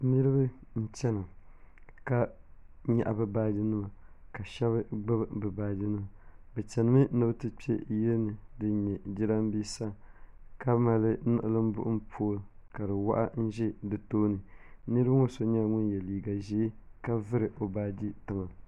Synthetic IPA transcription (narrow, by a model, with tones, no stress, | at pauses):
nɨ˦ɾɨ˦ba˦ | n̩˦t͡ʃɛ˦nɨ˨ | ka˦ | ɲa˨ʔa˨bɨ˦baː˦di˦nɨ˦ma˨ka˨ʃɛ˦βɨ˦ɡ͡bɨ˦bbɨ˨baː˦di˦nɨ˦ma˨bɛ˨t͡ʃɛ˨nɨ˨mɨ˦nɨ˦bɨ˦tɨ˦pi˦ɛ˦jɛ˦nɨ˨dɨ˦ɲɛ˨di˦ɾa˦m˦bi˦sa˦ka˦ma˨lɨ˦nɨ̰˦˨ʔɨ˦lɨ˦m˦bʊ̰˦ʔʊ˦m˦pʰu˦lka˨dɨ˨wa̰˦ʔa̰˦n̩˦ʒɛ˦dɨ˨toː˦nɨ˨nɨ˦ɾɨ˦bɨ˦ŋo˦so˨ɲa˦˨ŋʊ˦njɛ˨liː˨ɡa˨ʒe˨˦ka˦vɨ˦ɾɨ˨ʔo˨baː˦di˦tɨ˨ma˨